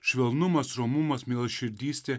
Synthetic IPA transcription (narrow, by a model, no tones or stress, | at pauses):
ʃʲʋʲɛlˠnʊmɐsɾomʊmɐsmʲeːlˠɐʃʲɪɾʲd̪ʲiːsʲt̪ʲeː